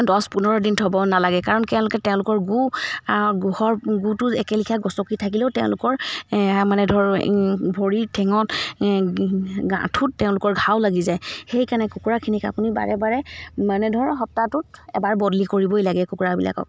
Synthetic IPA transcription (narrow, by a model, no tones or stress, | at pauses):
dɔspunɔɹɔdintʰɔbɔnalaɡɛkaɹɔnkɛʊ̃lʊkɛtɛʊ̃lʊkɔɹɡuaɔɡuhɔɹɡutuɛkɛlikʰaɡɔsɔkitʰakileʊtɛʊ̃lʊkɔɹmanɛdʱɔɹbʱoɹiɹtʰɛŋɔt | ɡã̰tʰutːɛʊ̃lʊkɔɹɡʱawlaɡizajxejkanɛkukuɹakʰinika̰puniba̰ɹɛbaɹɛmanɛdʱɔɹɦɔp̚tatʊtɛ̰baɹbɔdlikoɹibɔjlaɡɛkukuɹabila̰kɔ̰k̚